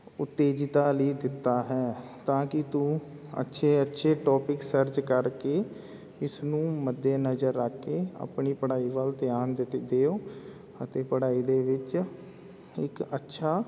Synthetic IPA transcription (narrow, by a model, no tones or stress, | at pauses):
ʊt̪ːeːd͡ʒt̪aːləiːd̪ɪt̪ːaːɦɛː | t̪ãːkɪt̪ũ | ə̰tːʃʰeːətːʃʰeːʈɔːpɪksəɾd͡ʒkəɾkeː | ɪsnũːməd̪ːeːnəzəɾːəkːeːa̰ːpɳiːpəɽaːiːʋəlt̪ɪjaːnd̪eːoː | ət̪eːpəɽaːiːd̪eːʋɪt͡ʃ | ɪkətːʃʰaː